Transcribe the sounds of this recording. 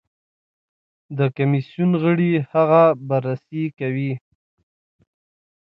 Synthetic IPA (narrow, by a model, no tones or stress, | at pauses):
d̪əkamisjunɣəɽihaɣabaɾasikawi